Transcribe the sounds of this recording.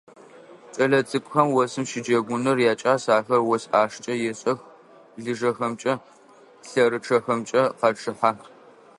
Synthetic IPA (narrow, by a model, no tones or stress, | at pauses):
t͡ʃʼɐɮɐt͡sʼɨkʷʼxɐmwɔsɨmʃɪd͡ʒɐɡʷʊnɐrjaːt͡ʃʼaːsaːxɐrwɔsaːʂt͡ʃʼɐjɛɕʼɐx | ɮɨʐɐxɐmt͡ʃʼɐ | ɬɐɾɨʈ͡ʂʰɐxɐmt͡ʃʼɐqɑʈ͡ʂʰɨħaːx